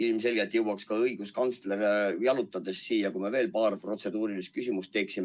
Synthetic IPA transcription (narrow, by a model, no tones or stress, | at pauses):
ilmse̞lʲɡ̥et̪jɤwɑkskɑɤiɡ̥uskɑnsleɾejɑlut̪ːˑɑd̪̥e̞sːiːjɑkume̞ve̞ːlpɑːrpro̞t̪se̞d̪̥uːɾilist̪kysʲimust̪ːe̞ːksime